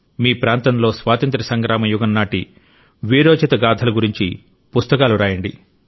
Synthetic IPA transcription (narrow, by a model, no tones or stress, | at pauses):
miːpɾaːnt̪ɐmlo̞ːsʋaːt̪ɐnt̪ɾɐsɐŋɡɾaːmɐjuɡɐnːaːʈi | ʋiːɾoːt͡ʃɐt̪ɐɡaːd̪ʱɐlɐɡuɾiɲt͡ʃḭ | pust̪ɐkaːluɾaːjɐɳɖḭ